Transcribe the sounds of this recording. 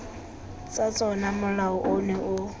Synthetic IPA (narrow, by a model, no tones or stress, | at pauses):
t͡sʼat͡sʼɔnamʊlaʊʔʊnɛʔʊ